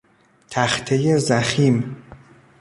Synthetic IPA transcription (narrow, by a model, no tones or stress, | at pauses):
t̪ʰæxt̪ʰejezæxim